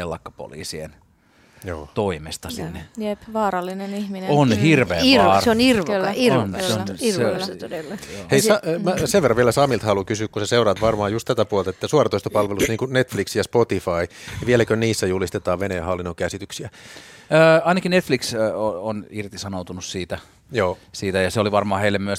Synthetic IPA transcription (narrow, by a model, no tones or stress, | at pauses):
elːɑkːɑ̥po̰lḭːsiḛn | joːt̪oimest̪ɑsinːejepʋɑːɾɑlːinenihmineonhirʋʋeːseonirʋlːionseoret̪olːheisɑmæseʋerːɑʋieælæsɑmilt̪hɑlukysyːkkuseseurɑt̪ʋɑrmɑːjust̪t̪æt̪æpuolt̪ɑet̪ːæsuɑrɑt̪oist̪ɑpɑlʋelusniːŋkunet̪fliksjɑspot̪ifɑiʋielækøniːsːæjulist̪et̪ɑːʋʋenehɑlːinːokæsit̪yksiæː | ɑinɑkinet̪fliksoonirt̪isɑnout̪unussiːt̪æ | joːsiːt̪æjɑseoliʋɑrmɑːheilːemmyøs